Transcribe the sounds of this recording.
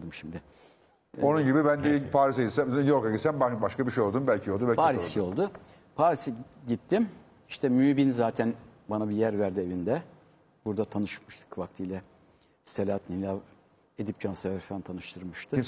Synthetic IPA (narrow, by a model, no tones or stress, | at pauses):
d̪ɯmʃimd̪ɪ | onunɟibibænd̪ipʰaːɾis̬aɟit̪sæmijo̞ɾkaɟit̪sænbabaʃkabiʃejolˠd̪umbælʲcʰijolˠd̪ubɛpʰaːɾisijo̞lˠd̪ʊ | pʰaːɾisiɟit̪ʰːim | iʃt̪ʰɛmybinzaːt̪ʰænbanabijæɾvæɾd̪ie̞vind̪ɛ | buɾd̪at̪ʰanɯʃmɯʃt̪ʰɯ̥kvakt̪ʰɯjlʲˠa | selʲat̪nilʲa | e̞d̪ip̚cʰanseæɾfant̪ʰanɯʃt̪ʰɯɾmɯʃt̪ʰɯ